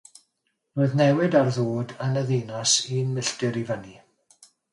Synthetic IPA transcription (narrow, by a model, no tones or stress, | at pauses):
roːɨðnɛwɪdarðoːdənəðiːnasinmɪɬtɨɾivəni